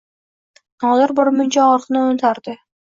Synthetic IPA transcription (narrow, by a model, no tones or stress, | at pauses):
nɒld̪ɪɾbɒɾmʊnt͡ʃaɒɾqnɪonɪt̪ʰaɾd̪ɪ